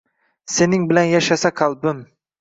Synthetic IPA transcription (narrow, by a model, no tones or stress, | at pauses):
se̞nɪŋbɪlanjaʃasakʰalˠbɪm